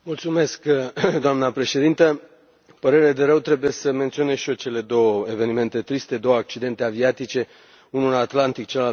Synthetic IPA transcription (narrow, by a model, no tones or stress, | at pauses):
mult̪sume̞skd̪oamnəpɾe̞ʃe̞d̪int̪ə | pəɾe̞ɾeled̪e̞ɾəwt̪ɾe̞buje̞səme̞nt̪sio̞neʃio̞t͡ʃe̞le̞d̪o̞wəeve̞nime̞nt̪e̞t̪ɾist̪e̞d̪o̞wəak̚t͡ʃid̪e̞nt̪e̞aviat̪it͡ʃe̞ | unulat̪lant̪ik̚t͡ʃela